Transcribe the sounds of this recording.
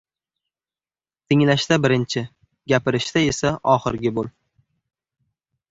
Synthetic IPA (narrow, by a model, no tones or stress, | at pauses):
t̪ʰɪŋlaʃt̪abɪɾɪnt͡ʃʰɪ | ɡʲapɪɾɪʃt̪ae̞saʔɒχɪɾɡʲɪbolˠ